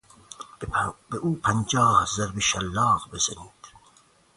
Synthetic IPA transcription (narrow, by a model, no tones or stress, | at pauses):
beʔuːpʰænd͡ʒɑːhzæɾbeʃælːɑːʁbezæniːd̪̥